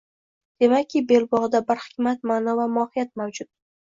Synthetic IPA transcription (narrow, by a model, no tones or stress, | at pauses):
d̪̥e̞makʲʰːɪbe̞lˠbɒʁd̪abɪɾχɪ̥kʲmat̪̚maːnɒvamʊɒhɪjat̪̚mawd͡ʒʊt̪̚